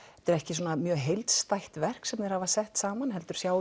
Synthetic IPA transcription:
ɛɛt̪ɪɾɛhcɪs̬ɔːnamjœːɦejlt̪st̪ajht̪vɛr̥ksɛmnejɾhavasɛht̪saːmanɦɛl̪t̪ʏɾ̥sjaːw

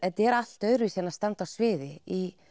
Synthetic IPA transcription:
ɛt̪ɛɾal̥t̪œɥɾʏvɪsjɛnːast̪ant̪asvɪːðɪi

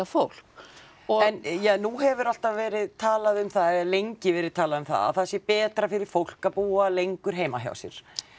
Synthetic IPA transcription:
afowl̥k | ɔɛnjɛnuɦɛvʏɾɔl̥t̪avvɛːɾɪðt̪ʰaːlaðʏmθaðɛalejɲcɪvɛːɾɪðt̪ʰaːlaðʏmθa̰a̰θasjɛpɛːt̪ɾafɪɾɪɾ̥fowl̥kapuːalejŋkʏɾ̥ɦeːjmaɦja̰wsjɛ̰ɾ̥

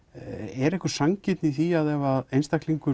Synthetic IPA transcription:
ɛɾɛhkʏɾ̥saŋcɪt̪niθiaðɛvaðejnst̪akliŋkʏ

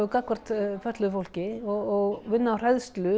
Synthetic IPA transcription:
ʏkakvar̥t̪fœht̪lʏʏfowlcɪɔɣɔɣvɪnːaːwr̥aðst̪lʏ

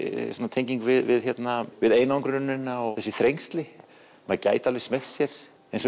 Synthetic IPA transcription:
sanːat̪ʰejɲciŋkvɪðvɪðçɛt̪navɪðejnaɔŋkɾɾʏnːɪnːaɔθɛsːɪθɾejŋst̪lɪ | mɛðca̰ːjt̪alɪsmɛxt̪sjɛɾ̥ | ɛns

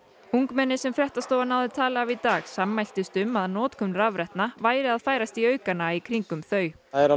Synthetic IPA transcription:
uŋkmɛnːɪsɛmfɾɛht̪ast̪owvanawðɪt̪ʰaːlaavit̪aːɣsamːajl̥t̪ɪst̪ʏmːaðanɔːt̪kʰɔmnɾavɾɛht̪navaːjɾɪaðfaːjɾast̪iœːɥkanaikʰɾiŋkʏmθœːɥ | ɛɾa

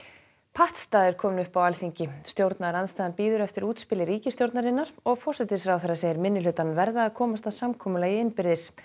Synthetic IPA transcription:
pʰaht̪st̪aːðɪɾ̥kʰɔːmɪnʏhpawalθiɲcɪst̪jowɾt̪naɾanst̪aːðanpiːðʏɾɛft̪ɪɾuːt̪spɪlɪɾiːcɪst̪jowɾt̪naɾɪnːaɾ̥ɔɣfɔrsɛt̪ɪsɾawθɛɾːaseːjɪɾmɪnːɪlʏːt̪anvɛɾðaːðkʰɔːmast̪aðsamkʰɔːmʏlaiɪnpɪɾðɪs

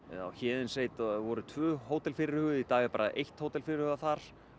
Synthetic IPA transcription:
a̰wçɛːðɪnseːjt̪vɔɾʏt̪ʰvœːhoːwt̪ɛlfɪɾɪɾ̥hʏːɣʏit̪aːɣɪpaːɾaʔejht̪hoːwt̪ɛlfɪɾɪɾhʏɣaθaɾ̥

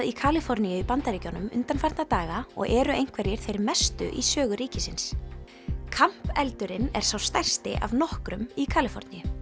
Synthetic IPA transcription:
ikʰaːlɪfɔɾnijʏipant̪aɾiːcɔnʏmʏ̰nt̪anfajɾt̪nat̪aːɣaɔ̰ɣɛːɾʏejŋ̥kʰvɛɾjɪɾ̥θejɾmɛst̪ʏ̰ʔisœːɣʏɾiːcɪsɪns | kʰam̥pɛlt̪ʏɾɪnɛɾ̥sawst̪ajr̥st̪ɪ̰ʔa̰vnɔhkɾʏmikʰaːlɪfɔ̰ɾt̪nijʏ

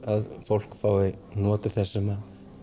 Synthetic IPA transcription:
aðfowl̥kfawvɪnɔːt̪ɪθɛsːɪma

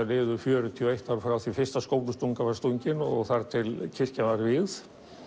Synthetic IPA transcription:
leːðʏfjœːɾʏt̪ʰiɔejht̪awɾfɾawθifɪrst̪askoːwplʏst̪uŋkavast̪uɲcɪnɔ̰ɣθaɾ̥t̪ʰɪlcʰɪr̥cavaɾvɪð

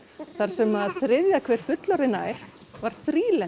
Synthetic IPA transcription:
θaɾ̥sɛmaðθɾɪðjakʰvɛːɾ̥fʏt̪lɔɾðɪna̰ːjɾ̥vaɾ̥θɾiːlɛ

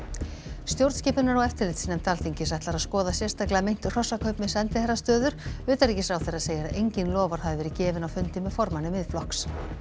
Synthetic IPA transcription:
st̪jowɾt̪scɪːpɪnaɾawɛft̪ɪɾlɪt̪snɛmt̪ʰaːlθiɲcɪsajht̪laɾaðskɔːðasjɛrst̪aklaamejn̥t̪ʏ̥r̥ɔsːakʰœɥpmɛsɛnt̪ɪθɛrːast̪œːðʏɾ̥ʏːt̪aɾicɪsawθeraðseːjaɾaʔejɲcɪnlɔːvaɾ̥haðvɪvɛːɾɪcɛːvɪnawfʏnt̪ɪmɛðfɔɾmanɪmɪðflɔhks

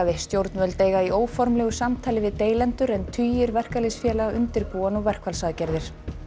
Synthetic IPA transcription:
aðɪst̪jowɾt̪nmœlt̪eːjɣaioːwfɔɾmlɛːɣʏsamt̪ʰaːlɪvɪðt̪eːjlɛnt̪ʏɾɛnt̪ʰyːjɪɾvɛr̥kalesfjɛːlaɣaʔʏnt̪ɪɾpuːanɔɣvɛr̥kʰvalsaðcɛɾðɪɾ̥

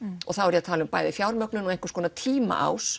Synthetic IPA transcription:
ɔ̰ɣθawɛɾjɛat̪ʰaːlɪʏmpa̰ːjðɪfjawɾmœknʏnɔɣejŋ̥kʏ̥ɾskʰɔːnat̪ʰiːma̰ʔa̰ws

